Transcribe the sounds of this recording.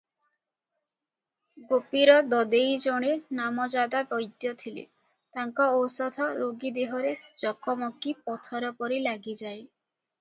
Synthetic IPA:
ɡopiɾɔd̪ɔd̪ejd͡ʒɔɽ̃enamɔd͡ʒad̪abɔjd̪jɔt̪ʰilḛ | t̪aŋkɔowsɔd̪ʰʱɔɾoɡid̪eɦɔɾed͡ʒɔkɔmɔkipɔt̪ʰɔɾɔpɔɾilaɡid͡ʒae

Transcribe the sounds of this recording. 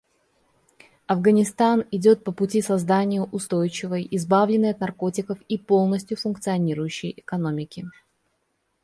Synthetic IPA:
ɐvɡənʲɪst̪anɪdʲo̞t̪̚pəpʊtʲisɐzd̪anʲɪjəʔʊst̪o̞jt͡ɕɪvəjɪzbavlʲɪnːɨjɐt̪nɐrko̞tʲɪkəfipo̞lˠnəsʲtʲjʊfʊnk̚t̪sɨɐnʲiɾʊjʉɕːɪjʔɪkɐno̞mʲɪkʲɪ

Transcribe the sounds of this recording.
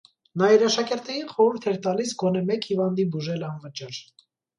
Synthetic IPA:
nɑiɾɑʃɑkɛɾt̪ɛjinχɔɾuɾt̪ʰɛɾt̪ɑlisɡɔnɛmɛkhivɑnd̪ibuʒɛlɑnvət͡ʃɑɾ

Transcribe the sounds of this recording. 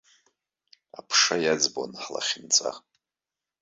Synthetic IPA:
apʰʂajad͡zbo̰nħla̰χʲɪnt͡sʼa̰

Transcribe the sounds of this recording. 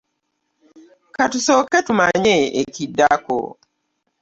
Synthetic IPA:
katusokːetumaɲeekidːako̰

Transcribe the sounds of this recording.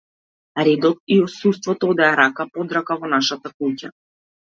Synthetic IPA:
ɾɛd̪ɔt̪̚iɔsust̪vɔt̪ɔɔd̪ɛaɾakapɔd̪ɾakavɔnaʃat̪akuca

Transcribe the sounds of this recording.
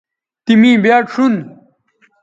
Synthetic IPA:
t̪imĩːbjaːʈʂun

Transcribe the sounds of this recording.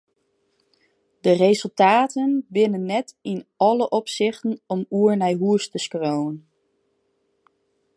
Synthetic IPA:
dərezɵlˠtaːtənbɪnənːɛtɪnɑləʔɔpsɪχtənɔmuəɹnɛjɦuəstəskrowən

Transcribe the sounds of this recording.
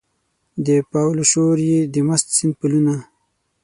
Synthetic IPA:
d̪əpawloʃoɾjed̪əmast̪sɪnd̪̚puluna

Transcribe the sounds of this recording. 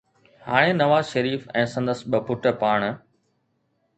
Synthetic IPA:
ɦaːɽ̃eːnɐʋaːzʃəɾiːfɛ̃ːsɐ̃nd̪əsɓɐbʱʊʈəpaːɳ̃

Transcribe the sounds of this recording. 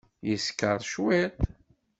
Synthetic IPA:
jəskəɾˤʃwit̪

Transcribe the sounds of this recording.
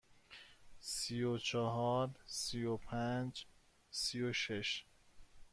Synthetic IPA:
sijot͡ʃʰɒɦɒːɾsiopʰænd͡ʒ | sijoʃeʃ

